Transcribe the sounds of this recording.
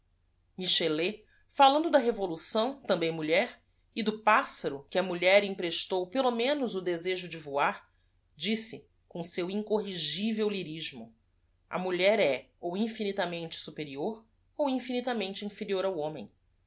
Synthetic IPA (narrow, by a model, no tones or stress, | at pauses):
miʃele | falɐ̃d̪ʊd̪ɐɦevolusɐ̃w̃t̪ɐ̃mbẽj̃muʎɛɾ | ɪd̪ʊpasɐɾʊkɪɐmuʎɛɾĩpɾeʃt̪owpelomẽnʊzʊd̪ezeʒʊd͡ʒɪvuaɾ | d͡ʒisɪ | kõsewĩŋkoɦiʒivewliɾiʒmʊ | ɐ̰muʎɛɾɛ | owĩfinit̪ɐmẽnt͡ʃɪ̥supeɾioɾ | owĩfinit̪ɐmẽnt͡ʃɪĩfeɾioɾawõmẽj̃